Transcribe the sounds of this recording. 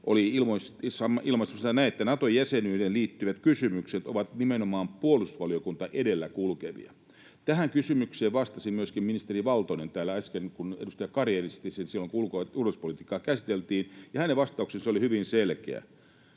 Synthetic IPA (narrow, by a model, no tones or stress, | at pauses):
ʔo̰liilmoist̪sɑmːɑʔilmɑnsemsɑnæiet̪ːænɑt̪ojæsenyːdenliːt̪ːyʋæt̪kysymykset̪oʋɑt̪nimenomɑːmpuolusu̥sʋɑliokunt̪ɑʔedelːækulkeʋḭɑ̰ | t̪æhæŋkysymykseːʋʋɑst̪ɑsimmyøskimminist̪eriʋɑlt̪oinent̪æːlːæɑskenkunḛdust̪ɑjɑkɑrieːrist̪isinsilːoŋkuulkoulospolit̪iːkːˑɑːkæsit̪elt̪iːnjɑhæneʋʋɑst̪ɑuksenseolihyʋinselkḛæ̰